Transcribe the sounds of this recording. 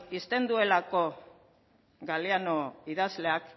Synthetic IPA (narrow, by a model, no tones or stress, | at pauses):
ist̪e̞nd̪ue̞lako̞ | ɡaliano̞iðazle̞ak